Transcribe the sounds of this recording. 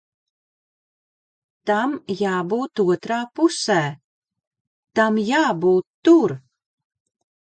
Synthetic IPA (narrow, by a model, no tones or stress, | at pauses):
t̪amjaːbuːt̪uɔt̪ɾaːpusæː | t̪amjaːbuːt̪ːuɾ